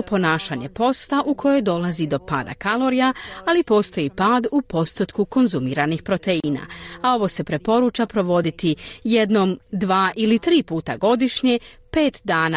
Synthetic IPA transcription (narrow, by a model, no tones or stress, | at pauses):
po̞naːʃaɲe̞po̞st̪aʔukʰo̞jo̞jd̪o̞lazid̪o̞pa̰ːd̪a̰kalo̞ɾijaalipo̞ːst̪o̞jipaːd̪upo̞st̪ot̪kuko̞nzumiːɾanixpɾo̞t̪eina̰ao̞ʋo̞ːse̞pɾe̞po̞ɾuːt͡ʃapɾo̞ʋo̞d̪it̪ije̞d̪no̞ːmd̪ʋaːʔilit̪ɾiːpuːt̪aɡo̞d̪iʃɲe̞pe̞ːt̪d̪aːna